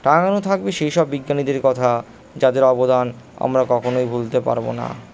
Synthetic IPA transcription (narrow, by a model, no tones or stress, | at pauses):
ʈaŋanot̪ʰak̚beʃejʃɔbːiɡːanid̪eɾkɔt̪ʰa | d͡ʑad̪eɾɔbod̪an | a̰mɾakɔkʰonojbʱult̪epa̰ɾbo̰na̰